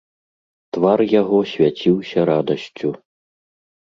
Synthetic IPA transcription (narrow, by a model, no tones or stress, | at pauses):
t̪varjaɣɔsʲvʲat͡sʲiwsʲɐɾad̪ɐsʲt͡sʲu